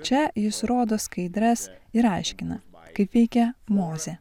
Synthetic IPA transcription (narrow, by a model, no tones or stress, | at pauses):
t͡ʃʲɛjɪsɾoːd̪oːskɐɪd̪ʲɾɛsɪɾɐɪʃʲkʲɪnɐkɐɪpʋʲɛɪkʲɛmoːzʲe